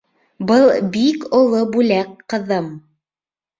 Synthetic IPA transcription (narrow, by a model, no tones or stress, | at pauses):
bɤlˠbikŏlˠobʉlækqːɤ̆ðɤm